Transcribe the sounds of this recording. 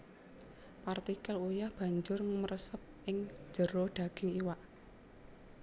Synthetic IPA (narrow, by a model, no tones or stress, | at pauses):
part̪ikɛlujahb̥ä̤ɲd͡ʒʊrŋəmərəsəp̚ʔɪŋ̥d͡ʒ̥ə̤ɾɔɖ̪̥a̤ɡ̥iŋiwaʔ